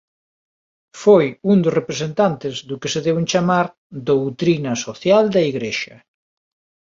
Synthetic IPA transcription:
fojund̪ʊsrepɾesent̪ant̪ɪzðʊkɪseðewent͡ʃamaɾ | d̪owt̪ɾinɐsoθjald̪ɐiɣɾeʃɐ̰

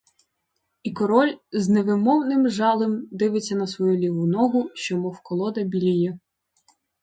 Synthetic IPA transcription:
ikɔɾɔlʲzneʋɪmɔwnɪmʒɑlˠɪmd̪ɪʋɪt͡sʲːɐnɐsʋɔjulʲiʋʊnɔɦʊʃt͡ʃɔmɔwkɔlˠɔd̪ɐbʲilʲijɛ

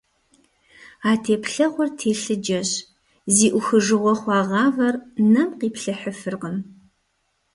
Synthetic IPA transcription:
aːtʰeːpɬɐʁʷʊrtʰeːɬɨd͡ʒɐɕ | ziːʔʷʊxɨʒɨʁʷɔχʷɑːʁɑːvɐrnɐmqiːpɬɐħəfɨrʁəm

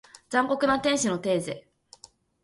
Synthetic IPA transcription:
zãŋko̞kɯ̟nat̪ẽɰ̃ɕino̞t̪e̞ːze

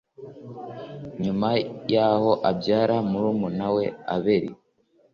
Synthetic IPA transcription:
ɲumajaho̞ʔabɟaːɾamuɾumunawe̞a̰βeɾḭ

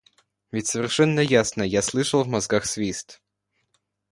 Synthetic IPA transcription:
vʲɪtʲsəvʲɪrʂɛnːəjasnəjaslˠɨʂəlˠvmɐzɡaxsvʲist̪

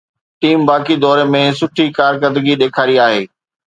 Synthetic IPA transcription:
ʈiːmbaːkid̪ɔːɾemẽsʊʈʰikaːɾkəd̪əɡiɗeːkʰaːɾiaːɦeː

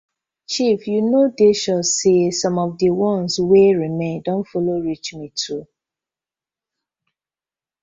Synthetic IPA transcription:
t͡ʃifjunodeʃɔsesɔ̃mɔfdəwɔ̃nsweɹimẽndɔ̃ntfɔloɹit͡ʃmitʰu

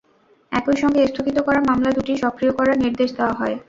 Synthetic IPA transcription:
ɛkojʃɔŋɡest̪ʰokit̪okɔɾaɾmamlad̪uʈiʃɔkɾijokɔɾaɾniɾd̪eʃd̪eoaɦɔe

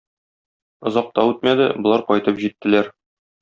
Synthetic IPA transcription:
ŏzɑq̚t̪ɑʉt̪mæd̪ɘ̰bŏlˠɑɾqɒjt̪ɤpʑit̪ːɘ̆læɾ

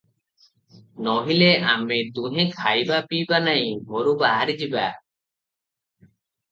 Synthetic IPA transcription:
nɔɦileamet̪ũɦẽkʰajbapibanaj̃ɦoɾubaɦaɾid͡ʒiba̰

